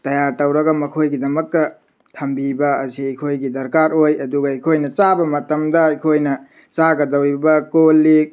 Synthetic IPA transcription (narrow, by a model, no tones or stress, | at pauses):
tɐjaɾtɐwɾɐɡɐmɐkʰojɡidɐmɐk̚tɐ | tʰɐmbibɐɐ̰siɐjkʰojɡidɐɾkaɾojɐduɡɐɐjkʰojnɐt͡ʃabɐmɐtɐmdɐɐjkʰojnɐ | t͡ʃaɡɐdɐwɾibɐkolːik̚